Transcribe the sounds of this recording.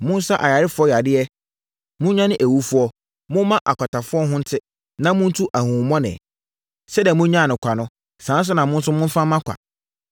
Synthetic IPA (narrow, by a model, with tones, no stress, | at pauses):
mʊ̃˦n˦sa˦ʔa˨ja˨ɾɪ˦fʊ˦ɔ˦ja˨dɪ˦ɛ˦ | mʊ̃˦ɲã˦nɪ̃˦ʔæ˨wu˦fʊ˦ɔ˦ | mʊ̃˦mã˦ʔa˨kʷa˨tʰa˨fʊ˦ɔ˦ɦʊ̃˦n̩˦tʰɪ˦ | nã˦mʊ̃˦n̩˦tʰu˦ʔa˨hũ˨mɔ̃˦nɪ̰̃˨ | sɛ˦dɛ˨mʊ̃˦ɲã˦˨nʊ̃˨kʷʰa˨nʊ̃˦ | sãː˨˦n˦s̬ʊ˦nã˨mʊ̃˦n̩˦sʊ˦mʊ̃˦n˦fã˦mã˦kʷʰa̰˨